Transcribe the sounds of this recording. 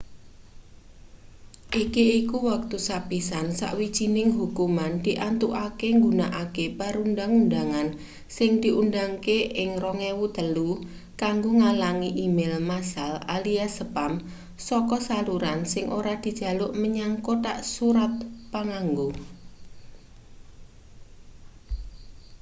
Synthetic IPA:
ʔikiikuwak̚t̪usapisansa̰ʔwid̥ʒ̥i̤nɪŋɦukumand̪̥iʔant̪uʔakeŋɡunaʔakepaɾundaŋundaŋan | sɪŋd̪̥i̤ʔundaŋkeʔɪŋrɔŋɛwud̪̥ə̤lu | kaŋɡoŋalaŋiʔimelmasala̰liasəpam | sɔkɔsaluɾansɪŋʔoɾad̪̥i̤d̥ʒ̥ä̤lʊʔməɲaŋkoʈaʔsuɾat̪̚paŋaŋɡo

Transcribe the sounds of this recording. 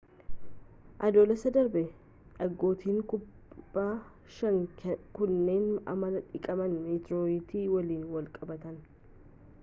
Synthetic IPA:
ʔɐd̪oːlɐsɐd̪ɐɾbɛ | ᶑɐɡːo̞ːt̪iːŋkʊbː | aː | ʃɐŋkʊnːe̞ːnɐ̰mɐnɐᶑɪkʼɐmɐnmiːt̪ɾoːɪt̪iːwɐliːnwɐlkʼɐbɐt̪ɐn

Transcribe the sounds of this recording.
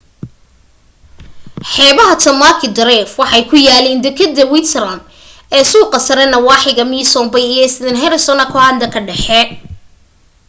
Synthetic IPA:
ħɛːβɐɦɐt̪ʰɐmakʰɪd̪ɐɾɛfwɑħɑjkʰʊjaːlɛːnd̪ɪkʰɐd̪ːɐwɪt̪ʰɛrɐm | ɛːsuːqɐsɐɾɛnɐwɑːħɪɣɐmiːsɔmbɐjijɔɪsd̪ɪnɦɛɾɪsɔnɐkʰɔʕɑːnd̪ɐkʰɐɖɛħɛ

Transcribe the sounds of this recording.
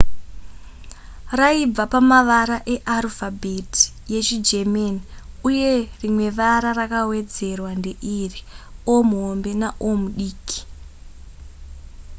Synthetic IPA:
raib͡vapamaʋaɾaʔe̞ʔarufabʱetʰi̥ | je̞t͡ʃid͡ʒe̞maniuje̞rimwe̞ʋaɾarakawe̞d͡ze̞rwande̞ʔiriomuɦombe̞naʔomuɗiːkʰi̥

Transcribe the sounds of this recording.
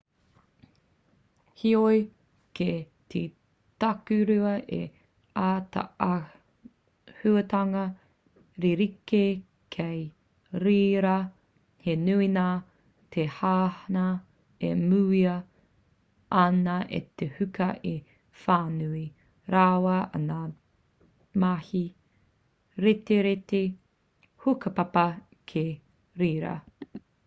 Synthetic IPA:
hioj | ke | ti | tɐkʉɾʉɐʔḛ | aːt̪a̰ | hʉɐt̪ɐŋɐ | ɾiɾike | kʰej | ɾiːɾɐ | henʉinaː | t̪ʰehaːhna | ḛmʉːiɐ | ɐnɐʔḛt̪ʰehʉkɐʔi | faːnʉi | ɾawɐɐ̰naː | mahi | ɾeteɾete | hukɐpɐpɐ | kʰe | ɾiːɾɐ̰

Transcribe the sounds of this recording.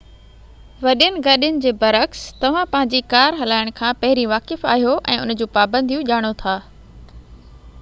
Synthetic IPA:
ʋɐɗjənɪ̆ɡɐɗjʊnɪ̆d͡ʑeːbɐɾəkst̪ɐʋ̤ãpɐ̃ɦɪ̃ɲd͡ʑikaːɾɦɐlaːɪɽ̃kʰãːpɐɦɪɾiʋaːkɪfa̰ːɦijoʔɛ̃ːʊnd͡ʑuːpaːbə̃nd̪ʱijũʄaːɽ̃ot̪ʰaː

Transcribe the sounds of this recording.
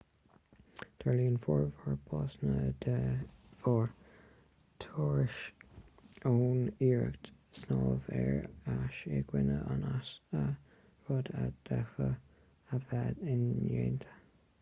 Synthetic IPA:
d̪̥ɛɹliːənfɔɹvəɹbʰɑːsnədəv̥ɔɹ | t̪ʰɔːɹɪʃ | oːniːɹə̰kt̪ | snɑːvɛɹaʃeɡwɪnəʔanasə | ɹɔd̪ad̪̥ɛxə | əvɛd̪ɪneːnt̪ʰə̥

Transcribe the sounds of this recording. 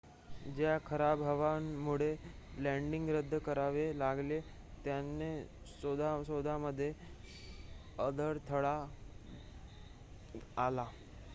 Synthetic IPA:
d͡ʑjakʰəɾabʱəʋamuɭe | læ̃ɳɖiŋɡɾəd̪ʱːəkəɾaʋelaɡle | t̪janːe | sod̪asod̪aməd̪ʱːje | əd̪əɾt̪ʰəɭa | la

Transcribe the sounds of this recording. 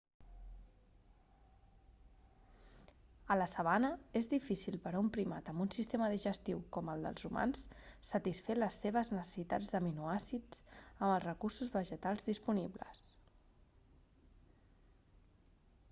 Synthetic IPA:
ələsəβanəezðifisilˠpəɾaumpɾima̰t̪əmbunsist̪eməðiʒəst̪iwkɔməlˠd̪ə̰lˠzuma̰nssːət̪isfeləsːeβ̞əznəsə̥sit̪ad͡zðəminuasid͡zəməlˠzrəkursuzβəʒət̪alˠzðispuniblə̰s

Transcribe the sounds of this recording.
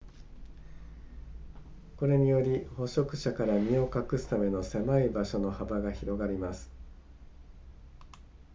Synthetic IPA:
ko̞ɾe̞ɲ̟ijo̞ɾʲiho̞ɕo̞kɯ̟̥ɕakaɾamʲio̞kakɯ̟sɨ̥t̪ame̞no̞se̞maibaɕo̞no̞habaɡaçiɾo̞ɡaɾʲimasɨ̥

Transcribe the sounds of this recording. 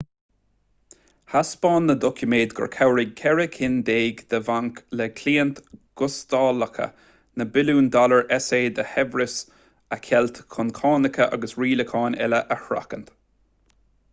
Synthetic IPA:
haspɑːnːəd̪ɔkʰjʊmeːd̪ɡɔ̰ɹkʰawɹɪɡ̚kʰɛɹɪkʰɪnd̪eːɡd̪̥əvaŋklɛkʰliːənt̪ɡ̥ʊst̪ɑːləkʰə̰ | nəbɪluːnd̪ɔləɹʔɛseːd̪əhɛvɹɪs | əkʰɛlt̪kʰʊnkʰɑːnɪkʰəʔa̰ɡəsɹiːləkʰɑːnɛ̰ləʔəhɾa̰kənt̪

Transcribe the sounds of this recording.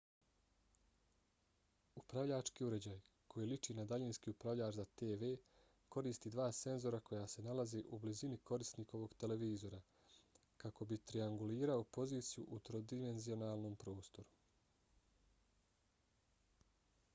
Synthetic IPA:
upɾaʋʎaːt͡ʃkiːuɾe̞d͡ʑaːj | kʰo̞jilit͡ʃiːnad̪aʎinskiːupɾaʋʎaːɾzat̪e̞ːʋe̞ː | ko̞ɾiːst̪id̪ʋaːse̞nzo̞ɾako̞jase̞nalazeʔublizinikʰo̞ɾist̪niko̞ʋo̞ɡt̪e̞le̞ʋiːzo̞ɾa | kako̞bit̪ɾiaŋɡuliːɾao̞po̞ziːt̪sijṵʔut̪ɾo̞d̪ime̞nzio̞naːlˠno̞ːmpɾo̞ːst̪o̞ɾu̥

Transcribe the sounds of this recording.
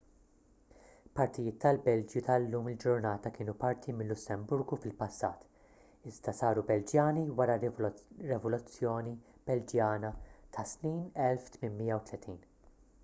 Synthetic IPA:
pɐɾt̪ɪjɪːt̪ːɐlbɛld͡ʒjut̪ɐlːuːmɪld͡ʒʊɾnɐːt̪ɐkɪːnupɐɾt̪ʰimɪlːʊsːɛmbʊɾɡufɪlpɐsːɐ̰ːt̪ | ɪzd̪ɐsɐːɾubɛld͡ʒjɐːniwɐɾɐɾɛvɔlʊt͡sːjɔːnib̥ɛld͡ʒjɐːnɐt̪ʰɐsniːnɛlft̪mɪnmɪjːɐwt̪lɛt̪ʰiːn

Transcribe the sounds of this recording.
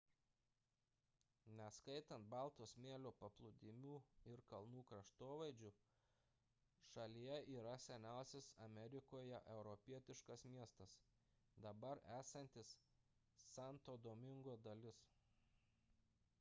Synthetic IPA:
nʲɛskɐɪt̪ɐnt̪̚bɑlˠˑt̪oːsmʲeːlʲoːpɐplˠʊd̪ʲɪmʲuːɪɾkɐlˠnuːkɾɐʃt̪oːʋɐɪd͡ʒʲʊ | ʃɐlʲijɛʔiːɾɐsʲɛnʲæˑʊsʲɪsɐmʲɛɾʲɪkoːjɛʔɛʊɾɔpʲiɛt̪ʲɪʃkɐsmʲiɛst̪ɐs | d̪ɐbɐɾæːsɐnʲt̪ʲɪsː | ɑˑnt̪oːd̪oːmʲɪŋɡoːd̪ɐlʲɪs

